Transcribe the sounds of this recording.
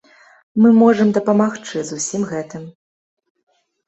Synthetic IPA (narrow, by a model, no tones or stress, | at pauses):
mɨmɔʐɐmd̪ɐpɐmaxt͡ʂɨzusʲimɣɛt̪ɨm